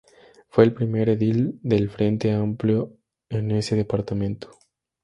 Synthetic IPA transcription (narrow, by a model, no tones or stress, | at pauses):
fwe̞ːlpɾimeɾeðild̪elfɾe̞nt̪eampljo | eneseðepaɾt̪amẽnt̪o̥